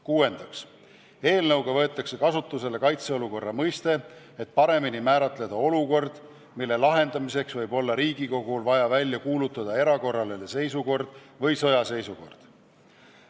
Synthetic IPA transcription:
kuːe̞nd̪̥ɑks | e̞ːlnɤwɡ̥ɑvɤ̞et̪ːˑɑkse̞kɑsut̪ːˑuse̞le̞kɑjt̪se̞oluko̞rːɑmɤjst̪e̞ | et̪̚ˑpɑɾe̞minimæːɾɑt̪ˑle̞d̪̥ɑo̞luko̞rd̪̥ | milːe̞lɑɦe̞nd̪̥ɑmise̞ksvɤjbo̞lːɑɾiːɡiko̞ɡ̥ulvɑjɑvælʲjɑkuːlut̪ːˑɑd̪̥ɑe̞ɾɑko̞rːɑlelese̞jsuko̞rd̪̥vɤjso̞jɑse̞jsuko̞̰rd̪̥

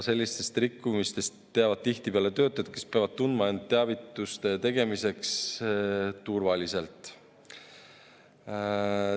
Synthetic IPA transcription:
se̞lʲːist̪e̞st̪rɾikːˑumist̪e̞st̪t̪ːeɑvɑd̪̥̚t̪iht̪ipeɑlet̪ø̞ːt̪ːˑɑjɑd̪̥ke̞speɑvɑd̪̚t̪und̪mɑend̪̚t̪ːeɑvit̪ːˑust̪e̞t̪e̞ɡ̥e̞mise̞ks | t̪urvɑlise̞lt̪ˑ

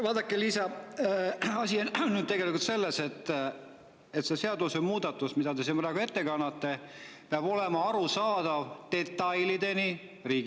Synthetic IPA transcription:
vɑːd̪ɑkːeliːsɑ | ɑsʲinːyd̥̪t̪eɡe̞likult̪se̞lːese̞t̪ːˑ | et̪se̞se̞ɑd̪usemuːd̪ɑt̪ːˑusmid̪ɑd̪e̞sinpræːɡ̥ue̞t̪ːe̞kɑnːɑt̪ːe̞peɑbo̞lemɑɑɾusɑːd̪̥ɑvt̪e̞t̪ːˑɑjlid̪e̞ni | riːɡi

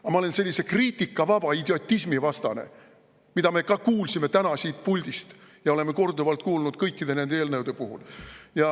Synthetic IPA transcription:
ɑmɑo̞lense̞lʲːise̞kriːt̪ˑikːˑɑvɑb̥ɑid̪̥eo̞t̪ʲːˑismivɑst̪ɑne̞̰ | mid̪ɑme̞kɑkuːlsime̞t̪ænɑsiːt̪̚pulʲd̪̥ist̪jɑo̞le̞me̞ko̞rd̪uvɑlt̪̚kuːlnud̪̥̚kɤjkːid̪e̞ne̞nd̪eeːlnɤwd̪̥e̞puɦṵljɑ

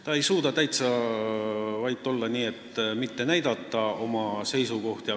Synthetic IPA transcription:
t̪ɑe̞jsuːd̪ɑt̪æjt̪sɑ | vɑjt̪ːˑo̞lːɑniːe̞t̪mit̪ːe̞næjd̪̥ɑt̪ːˑɑo̞mɑse̞jsuko̞ht̪jɑ

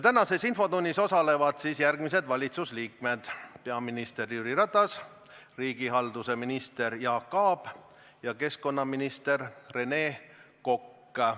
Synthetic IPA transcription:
t̪ænɑse̞sinfo̞d̪unʲːiso̞sɑle̞vɑd̪̥sisjærɡ̥mis̬e̞d̪vɑlʲit̪susliːkme̞d̪̥peɑminist̪e̞rjyːɾiɾɑt̪ˑːɑs | riːɡ̥iɦɑld̪use̞minist̪e̞ɾjɑːkːɑːb̥ | jɑke̞sko̞nːɑminist̪e̞rre̞ne̞ːko̞kː

